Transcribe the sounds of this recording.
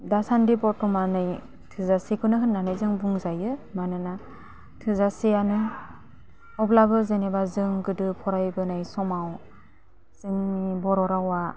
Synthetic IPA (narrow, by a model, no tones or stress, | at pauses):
dasandibɔɾtʰɔmanɯj | tʰɯzasikʰɯnɯɦɯnːanɯjzɯŋbuŋzajɯmanɯna | tʰɯzasianɯ | ɔblabɯzenebazɯŋɡɯdɯpʰɔɾajbɯnajsɔmaw | z̥ɯŋbɔɾɔɾawa